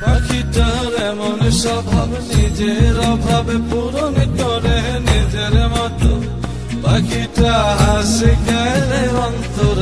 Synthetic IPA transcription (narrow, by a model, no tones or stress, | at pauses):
bakʰiʈəɦɾemonesɔbʱabnid͡ʒeɾɔbʱabepuɾonit̪oɾeɦenid͡ʒeɾemɔt̪o̰ | bakiʈaɦasikaeleʋant̪oɾ